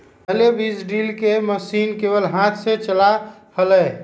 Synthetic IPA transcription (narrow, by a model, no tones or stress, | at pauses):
əlebid͡ʒɖilkeməsinkebəlɦãt̪ʰsẽt͡ʃəla | hələ